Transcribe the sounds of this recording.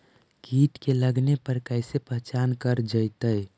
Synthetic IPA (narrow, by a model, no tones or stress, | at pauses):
kiːʈkeləɡnepəɾkəɪsepəɦt͡ʃaːnkəɾd͡ʒəɪt̪əj